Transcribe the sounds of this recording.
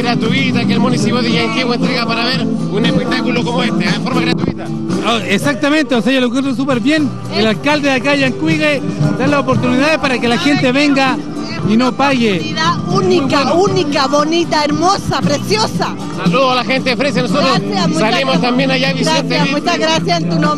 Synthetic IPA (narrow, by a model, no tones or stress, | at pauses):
ɾat̪uit̪akelmunisipjoðiʝaŋkwiɣoent̪ɾeɣapaɾaβeɾunekwit̪akulokomoest̪eefoɾmaɣɾat̪uḭt̪a | oesak̚t̪amẽnt̪eos̬eʝalok̬went̪ɾos̬upeɾβje̞n | elalkald̪eðakaʝaŋkwiɣed̪alaopoɾt̪uniðaðehpaɾakelaxent̪eβeŋɡa | inopaɣeðaunikaunikkaβonit̪aeɾmosapɾesjosa | saluðoalaxent̪eofɾes̬enosot̪ɾoamusalemost̪ambjenaʝaβisent̪emut͡ʃaɣɾasjasent̪uno